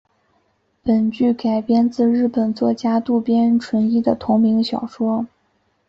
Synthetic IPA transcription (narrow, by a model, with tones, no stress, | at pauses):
pə˨˩nt͡ɕy˥˩ka˨˩ɪpjɛ˥nt͡sɹ̩˥˧ɻɻ̩˥˩pə˨˩nt͡swɔ˥˩t͡ɕja˥t̪u˥˩pjɛ˥nʈ͡ʂʰwə˧˥ni˥˩d̪ə˨t̪ʰʊ˧˥ŋmi˧˥ŋɕjɑ˨˩ʊʂwɔ˥